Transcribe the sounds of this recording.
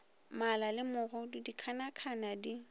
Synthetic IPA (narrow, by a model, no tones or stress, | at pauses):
malalɪmʊɣɔdidikʰanakʰanadi